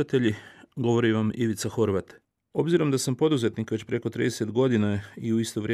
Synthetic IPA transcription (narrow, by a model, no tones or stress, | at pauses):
at̪e̞ʎiɡo̞ʋo̞ɾiʋamiʋit̪saxo̞ɾʋat̪ | o̞bziɾo̞md̪asampo̞d̪uze̞t̪nikʋe̞t͡ɕpɾe̞ko̞t̪ɾḭːd̪ese̞t̪ɡo̞d̪inaiuist̪oʋɾʲe